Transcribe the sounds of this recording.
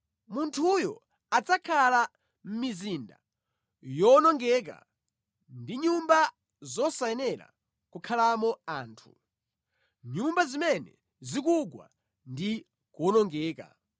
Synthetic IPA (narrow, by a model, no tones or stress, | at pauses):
muntʰujɔ̰ | at͡sakʰala | m̩mizinda̰ | jɔnɔŋɡɛːk̬a̰ | ndiɲumba | zɔsaɛnɛɾa̰ | kukʰalamɔaːntʰu | ɲumbazimɛnɛ | zik̬uɡwa̰ | ndi | kɔnɔŋɡɛːka̰